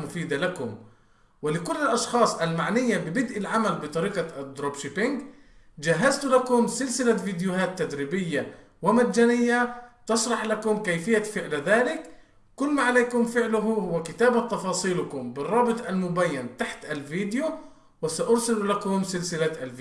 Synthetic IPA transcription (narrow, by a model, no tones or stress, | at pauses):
mʊfiːd̪alakʊm | wɪlɪkʊlːɪlʔɑʃxɑːsˤʔalmaʕnɪjːabɪbɪd̪ʔɪlʕamalbɨt̪ˤɑɾiːqad̪ɾobʃɪpɪŋɡ | d͡ʒaɦːazt̪ʊlakʊmsɪlsɪlaviːd̪ɪjʊhaːt̪ːad̪ɾiːbɪjːa | wɪmad̪d͡ʒaːnɪjːat̪ɑʃɾˤɑħlakʊmkajfɪjːafɪʕlðaːlɪk | kʊlːmaːʕaleːkʊmfɪʕlʊɦhʊwakɪt̪aːbat̪ːɑfɑːsˤiːlakʊmbɪrˤːɑːbɨt̪ˤʔalmʊbajːant̪aħt̪ʔalviːd̪ɪju | wɪsaʔʊɾsɪlulakʊmsɪlsɪlaʔalvi